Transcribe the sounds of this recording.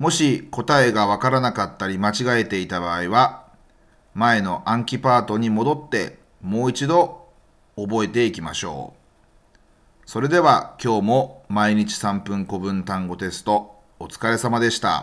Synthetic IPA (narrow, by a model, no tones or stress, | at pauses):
mo̞ɕiko̞t̪ae̞ɡaβakaɾanakat̪ːaɾʲimat͡ɕiɡae̞t̪e̞it̪abaːiβa | mae̞no̞ʔãŋkʲipaːt̪o̞ɲ̟imo̞d̪o̞t̪ːe̞ | mo̞ːit͡ɕid̪o̞ː | bo̞e̞t̪e̞ikʲimaɕo̞̰ː | so̞ɾe̞d̪e̞β̞akʲo̞ːmo̞maiɲ̟it͡ɕi̥sãmpɯ̟̃ŋko̞bɯ̟̃nt̪ãŋɡo̞t̪e̞sɨ̥t̪o̞ː | t͡sɨ̥kaɾe̞samad̪e̞ɕi̥t̪a̰